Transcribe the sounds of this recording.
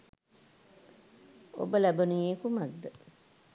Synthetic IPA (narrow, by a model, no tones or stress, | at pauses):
o̰bəlæbənueːkumad̪ːə